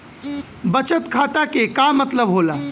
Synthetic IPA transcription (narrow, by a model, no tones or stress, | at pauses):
bət͡ʃət̪kʰaːt̪akekamət̪ləbɦolaː